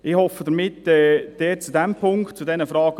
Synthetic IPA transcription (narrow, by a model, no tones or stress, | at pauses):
ɪhɔfːəd̪əɾmɪtːɛːd̪̥ɛːt͡sud̪æmpʰʊŋktt͡sudɛnəfɾɑːɡ̥ə